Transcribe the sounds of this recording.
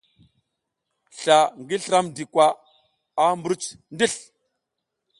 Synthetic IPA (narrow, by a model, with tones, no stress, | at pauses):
ɬa˨ŋɡi˦ɬɾa˦mdi˨kʷwa˦ | a˦mbu˨˦ɾu˦t͡ʃndi˦˨ɬ